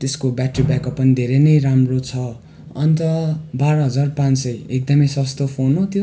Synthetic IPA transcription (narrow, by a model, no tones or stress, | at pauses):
t̪eskobjaʈribjakʌpːʌnid̪ʱeɾenʌjramrot͡sʰʌ | ʌnt̪ʌbaɾʌɦʌd͡zarpãnsʌjek̚d̪ʌmʌjsʌst̪opʰonot̪jo